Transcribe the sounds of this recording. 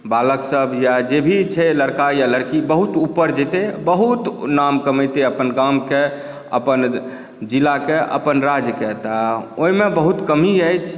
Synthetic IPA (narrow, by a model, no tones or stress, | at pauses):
baləksəbʱjad͡ʒebʱit͡ʃʰɛləɾkajaləɾkibəɦut̪upːəɾd͡ʒet̪ebəɦut̪namkəməjt̪eəpənɡamke | ə̰pən | d͡ʒilakeʔə̰pənɾad͡ʒjket̪aoimebəɦut̪kəmiəjt͡ʃʰ